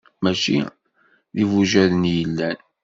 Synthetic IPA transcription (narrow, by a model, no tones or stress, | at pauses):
mæʃi | ðivuʒæðənjəlːæn